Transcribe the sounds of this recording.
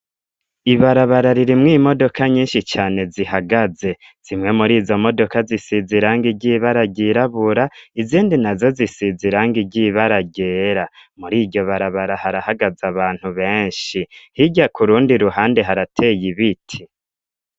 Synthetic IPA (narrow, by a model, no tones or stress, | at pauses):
iβaɾaβaɾaɾiɾimŋimo̞do̞kaɲiːnʃit͡ʃaːne̞ziɦaɡaze̞ | z̥imŋe̞muɾiːzo̞mo̞do̞kazisiziɾaːŋɡiɟiːβaɾaɟiɾaβuɾaiziːndinazo̞zisiziɾaːŋɡiɟiːβaɾaɟe̞ːɾamuɾiːɟo̞βaɾaβaɾahaɾahaɡazaβaːn̥huβe̞ːɲʃihiɟakuɾuːndiɾuɦaːnde̞ɦaɾatʰeːjiβitʰi